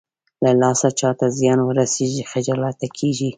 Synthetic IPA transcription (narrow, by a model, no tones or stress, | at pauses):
lalɑsat͡ʃɑt̪azjɑnwəɾaseʒixad͡ʒalɑt̪akʰeʒi